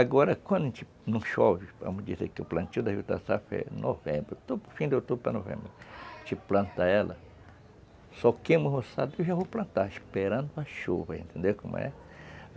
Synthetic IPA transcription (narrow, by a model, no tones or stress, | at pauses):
aɡoɾakʷanẽnt͡ʃi | nũʃoβia̰mɨ̃d͡ʒisekoplant͡ʃũd̪ahut̪asafḛnʔoβembɾet̪ufĩnd̪eot̪upenoβḛ̃mbɾet͡ʃiplant̪aala | sokẽmɨ̃husad̪iʃahuplant̪aʃpeɾand̪oaʃubeent̪ẽnd̪ekumã̰ḛ